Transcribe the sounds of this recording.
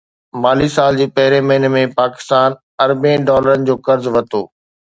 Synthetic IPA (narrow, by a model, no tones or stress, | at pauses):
maːlisaːld͡ʑiːpɐɦɪɾemɐɦɪnmẽpaːkɪ̥st̪aːn | ɐɾbẽːɖɔːləɾənɪ̆d͡ʑoːkɐɾzʋɐt̪o̰ː